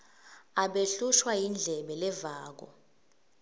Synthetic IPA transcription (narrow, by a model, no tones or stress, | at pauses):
aɓeɬuʃwajind͡ɮʱɛɓɛlɛvaːk̬ɔ̰